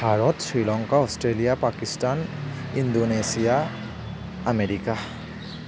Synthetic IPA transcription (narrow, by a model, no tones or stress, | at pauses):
bʱaɹɔtsɹilɔŋkaɔstɹelijapakistanindonesija | ameɹika